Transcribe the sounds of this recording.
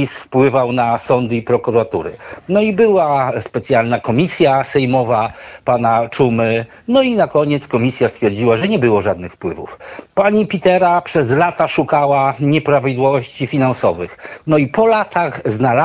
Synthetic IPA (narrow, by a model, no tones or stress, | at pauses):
isfpwɘvawnasɔnd̪ɘipɾɔkuɾat̪ṵɾɘ̰nɔibɘwaspɛt̪sʲjalnakɔmʲisʲjasɛjmɔvapanat͡ʂumɘ | nɔinakɔɲɛt̪skɔmʲisʲjast̪fʲjɛɾd͡ʑiwaʐɛɲɛbɘwɔʐad̪nɘxfpwɘvṵfpaɲipʲit̪ɛɾapʂɛzlat̪aʂukawaɲɛpɾavʲid̪wɔvɔɕt͡ɕifʲinansɔvɘxnɔipɔlat̪aɣznala